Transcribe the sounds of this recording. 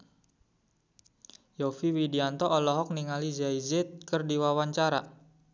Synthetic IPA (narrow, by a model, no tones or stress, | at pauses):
jɔfiwidiant̪ɔʔːlɔɦɔk̚niŋalizaizɪt̪̚kərdiwawaɲt͡ʃaɾa̰